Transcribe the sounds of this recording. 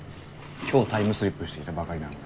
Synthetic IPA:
kʰʲoːt̪ʰaimɯsɨɾipːɯɕi̥t̪eki̥t̪abakaɾinãŋ

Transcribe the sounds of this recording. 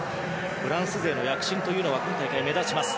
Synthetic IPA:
ɸɯ̟ɾãɰ̃sɨze̞ːno̞jakɯ̟̥ɕĩnt̪o̞jɯ̟ːno̞βakɯ̟̃nt̪aikaime̞zaɕimasɨ̥

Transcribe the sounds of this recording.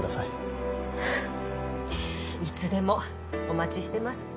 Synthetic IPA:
d̪asai | it͡sɨd̪e̞mo̞ | omat͡ɕiɕi̥t̪e̞masɨ̥

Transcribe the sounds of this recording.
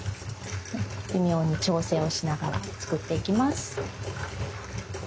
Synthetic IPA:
imʲjo̞ːɲ̟it͡ɕo̞ːse̞ːo̞ɕinaɡaɾa̰t͡sɨ̥kɯ̟t̪ːe̞ikʲimasɨ̥

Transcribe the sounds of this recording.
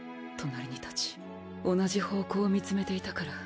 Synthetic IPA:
t̪ʰo̞naɾʲiɲ̟it̪ḁt͡ɕi̥ | o̞naʑiho̞ːko̞ːmʲit͡sɨme̞t̪e̞it̪akaɾa

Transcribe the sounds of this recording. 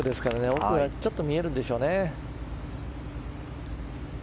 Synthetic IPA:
ɯd̪e̞sɨ̥kaɾane̞oɯat͡ɕo̞t̪ːo̞mʲie̞ɾɯ̟nd̪e̞ɕo̞ːne̞

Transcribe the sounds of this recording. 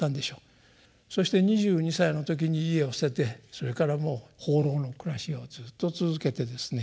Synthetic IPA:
ãnd̪e̞ɕo̞ː | so̞ɕi̥t̪e̞ɲ̟iʑɨːɲ̟isaino̞t̪o̞k̬ʲiɲ̟iːe̞osset̪e̞so̞ɾe̞kaɾamo̞ːho̞ːɾo̞ːno̞kɯ̟ɾaɕio̞zɨːt̪ːo̞t͡sɨzɨke̞t̪e̞d̪e̞sɨ̥ne̞

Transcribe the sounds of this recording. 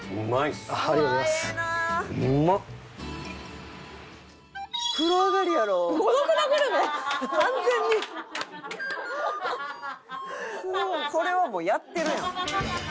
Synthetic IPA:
ɯmaiaaɾioɾimasa | mːa | kɯ̟ɾoaɡaɾʲijaɾo̞ːɡod̪okɯnaɡaɾenekãnd͡zẽ̞ɲ̟ːi | moːso̞ɾe̞βamo̞ːjat̪ːe̞ɾɯ̟jã

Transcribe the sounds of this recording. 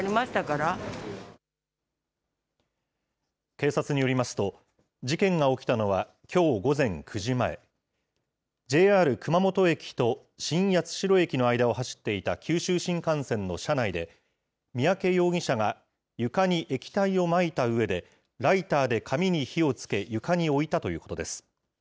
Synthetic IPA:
ɾʲimaɕi̥t̪akaɾa | ke̞ːsat͡sɨɲ̟ijo̞ɾʲimasɨ̥t̪o̞ | d͡ʑikẽ̞ŋɡao̞kʲi̥t̪ano̞βa | kʲʰo̞ːɡo̞zẽ̞ŋkʰɯ̟ʑimae̞̰ | d͡ʑe̞ːaːɾɯ̟kɯ̟mamo̞t̪o̞e̞kʲi̥t̪o̞ | ɕĩɰ̃jat͡sɨ̥ɕiɾo̞e̞kʲino̞aid̪ao̞ɦaɕi̥t̪ːe̞it̪a̰kʲʰɨːɕɨːɕĩŋkãɰ̃sẽ̞nːo̞ɕanaid̪e̞ | mʲiake̞jo̞ːɡʲĩɕaɡa | jɯ̟kaɲ̟iʔe̞kʲi̥t̪aio̞mait̪aɯ̟e̞d̪e̞ | ɾait̪aːd̪e̞kʰamʲiɲ̟içio̞t͡sɨ̥ke̞jɯ̟kaɲ̟io̞it̪at̪o̞jɯ̟ːko̞t̪o̞d̪e̞sɨ̥

